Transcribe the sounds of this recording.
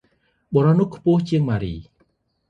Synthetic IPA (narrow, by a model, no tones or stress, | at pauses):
ɓoɾɑhnʊ̆əhkʰpʊ̆əht͡ɕiəŋmaːɾiː